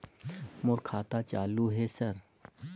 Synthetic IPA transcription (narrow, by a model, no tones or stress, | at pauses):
moːɾkʰaːt̪at͡ʃaːluɦesɐɾ